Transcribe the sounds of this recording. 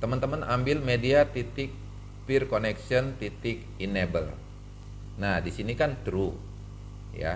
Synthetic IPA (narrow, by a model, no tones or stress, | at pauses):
t̪əmənt̪əmənambɪlmediat̪it̪ɪk̚ | pirkonɛksiənt̪it̪ɪk | inebəl | nahdisinikant̪ɾu | ja̰